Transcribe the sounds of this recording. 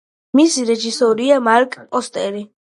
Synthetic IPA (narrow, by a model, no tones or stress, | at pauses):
misiɾɛʒisɔɾiamaɾkʼpʼɔst̪ʼɛɾi